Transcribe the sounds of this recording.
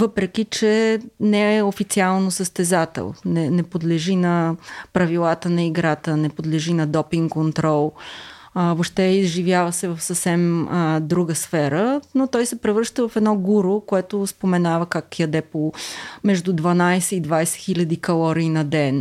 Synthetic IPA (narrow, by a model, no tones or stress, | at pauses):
vɤpɾɛk̟it͡ʃɛnɛɛofit̪sialˠnosəst̪ɛzat̪ɛ̰lˠnɛnɛpod̪lɛʒinɐpɾɐvilˠat̪ənɐiɡɾat̪ənɛpod̪lɛʒinɐd̪ɔpiŋɡkont̪ɾɔlˠ | voʃt̪ɛizʒivjavəsɛvəfsəfsɛməd̪ɾuɡəsfɛɾənot̪ɔjsɛpɾɛvɾɤʃt̪əvɐfɛd̪nɔɡuɾokoɛt̪ʊspomɛnavəkakjɐd̪ɛpomɛʒd̪ud̪vɐnajsɛid̪vajsɛ̥xilʲɐd̪ikɐlˠɔɾiːnɐd̪ɛn